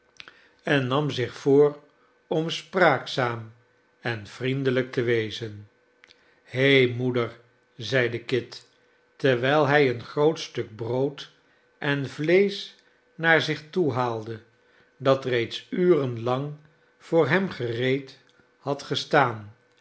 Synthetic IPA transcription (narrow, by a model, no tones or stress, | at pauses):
ɛnːɑmzɪχfoːr | ɔmspraːksaːm | ɛnv̥rindələk̚təʋejzən | hejmudəɹ | zɛjdəkɪtː | ɛɹʋɛjlˠɦɛjənχrowtstɵɡ̚browt | ʔɛnvlejs | naːɹzɪχtuɦaːlˠdə | dɑtrejtsyːrənlɑŋ | v̥ʊːɹɦɛmχərejt | hɑtχəstaːn